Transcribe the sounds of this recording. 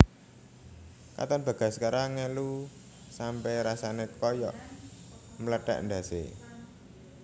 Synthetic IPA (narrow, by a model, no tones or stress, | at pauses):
ka̰t̪ɔnb̥ä̤ɡ̥a̤skaɾaŋɛlu | sampɛɾasanekɔjɔ̰ʔ | mələɖ̥a̰ʔɳɖa̤sḛ